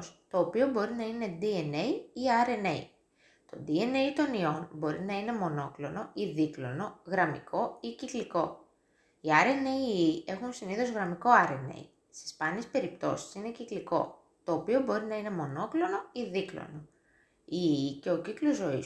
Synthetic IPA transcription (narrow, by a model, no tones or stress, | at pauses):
st̪o̞ːpio̞bo̞ɾinɐine̞d̪iene̞iiɐɾe̞nḛi | t̪o̞̰d̪ie̞nejt̪o̞nio̞nbo̞ɾinɐine̞mo̞no̞klo̞no̞iðiklo̞no̞ɣɾɐmḭkʰo̞icikliko̞ | iɐɾe̞neiie̞xunsiniθozɣɾɐmiko̞ɐɾe̞ne̞̰i | sti̥spɐniespe̞ɾip̚t̪o̞si̥sine̞cikliko̞̰ | t̪o̞ːpio̞bo̞ɾinɐine̞mo̞no̞klo̞no̞iðiklo̰no | iice̞o̞ciklo̞zo̞is